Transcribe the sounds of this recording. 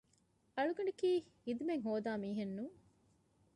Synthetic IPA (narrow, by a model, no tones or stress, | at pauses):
ɐɭuɡɐɳɖikiː | id̪umeŋɦoːd̪aːmiːɦenːuː